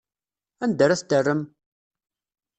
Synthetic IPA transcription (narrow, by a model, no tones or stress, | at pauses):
ænd̪æɾæθd̪ərːəm